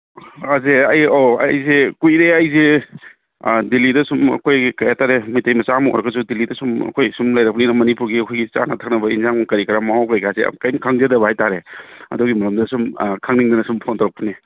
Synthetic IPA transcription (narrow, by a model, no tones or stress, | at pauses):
azeɐjoɐ̰jzekujɾeɐjze | dilidɐsumɐ̰kʰojkajataɾemijtajmɐsamo̰ɾɐɡɐsudilidɐsumɐ̰kʰojsumlɐjɾɐk̚pʰɐniɾɐmɐnipuɾɡiɐkʰojɡit͡ʃa̰natʰak̚nɐbɐinzaŋmɐkɐɾikɾamaɦawkajkasḛkajmkʰaŋzedɐbɐhajtaɾeɐ̰duɡimɐɾɐmdɐsumkʰaŋniŋdɐnɐsumpʰontɔɾɐk̚pʰɐni